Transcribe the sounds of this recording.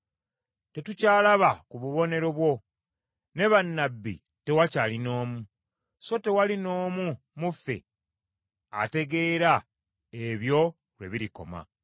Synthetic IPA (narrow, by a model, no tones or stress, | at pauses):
te̞tucaːlaβakuβuβo̞ne̞ɾo̞βwo̞ | ne̞βanːabːḭ | te̞wacalino̞ːmu | so̞te̞walino̞ːmu | mufe̞̰ | a̰te̞ɡe̞ːɾa | eβjo̞ | lwe̞̰βiɾiko̞̰ma̰